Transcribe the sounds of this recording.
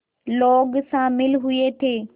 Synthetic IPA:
loːɡsãmɪlɦʊet̪ʰeː

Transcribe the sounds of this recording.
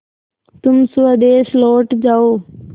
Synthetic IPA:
t̪ʊmsuəd̪eːsloːʈd͡ʒaːoː

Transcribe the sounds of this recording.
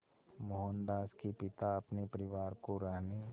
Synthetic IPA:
moɦənd̪aːskipɪt̪aɐpnepəɾɪʋaːɾkoɾaɦne

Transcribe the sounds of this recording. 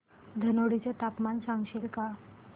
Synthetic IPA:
d̪ʱənoɽit͡ɕjat̪apmansãŋɡɕelka

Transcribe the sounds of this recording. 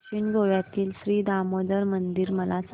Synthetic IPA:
iːɳɡoʋjat̪iːlɕɾiːd̪amod̪əɾmənd̪iɾməlat͡s

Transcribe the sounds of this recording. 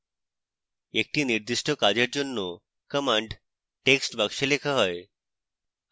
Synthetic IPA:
ek̚ʈiniɾd̪iʃʈokad͡ʑeɾd͡ʑonːo | kəmaɳɖ | ʈeksʈbaɡʃelekʰaɦɔe

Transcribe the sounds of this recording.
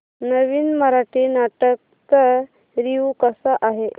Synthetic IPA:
nəʋiːnməɾaʈiːnaʈək̚t̪əɾ | ɾiukəsaʔaɦe

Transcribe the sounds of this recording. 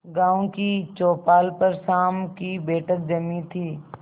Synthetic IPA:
ɡãːõkit͡ʃoːpaːlpəɾsaːmkibɛːʈʰək̚d͡ʒɐmit̪ʰiː

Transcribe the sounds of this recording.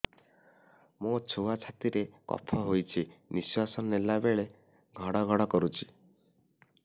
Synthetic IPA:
mot͡ʃʰoat͡ʃʰat̪iɾekɔ̰pʰɔɦojt͡ʃʰiniswasɔnnelabeɭe | ɡʱɔɽɔɡʱɔɽɔkɔɾut͡ʃʰi̥

